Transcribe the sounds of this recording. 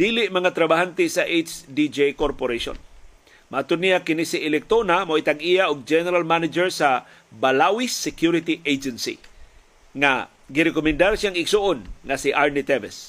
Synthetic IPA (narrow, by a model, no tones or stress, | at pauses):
d̪̥ilɪʔmɐŋat̪ɾɐbaɦant̪ɪsaʔejt͡ʃd̪id͡ʒejkoɾpoɾeʃo̰n | maʔat̪ʊd̪nijakɪnisɪʔɪlɛk̚t̪onamoʔit̪aɡʔijaʔʊɡ̚d͡ʒɛnɛɾalmanɪd͡ʒɛɹsa | balawɪsːɛkjuɾɪt̪iʔejd͡ʒɛnsḭ | ŋa̰ | ɡɪɾɛkomɛnd̪aɾsjaŋɪɡsuʔonŋasiʔaɹnit̪ɛvɛs